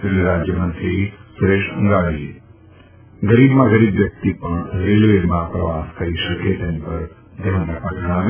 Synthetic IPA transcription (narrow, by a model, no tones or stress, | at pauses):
liɾad͡ʒjəmə̃nt̪ɾisʊɾeʃʊ̃ŋɡaɽiɦe | ɡɐɾibmãɡəɾibʋjɐk̚t̪ipəɳɾelʋemãpɾɐʋaskʰəɾiʃəket̪enpəɾ | d̪ʱjãnapaʈʰəɽ̃aʋ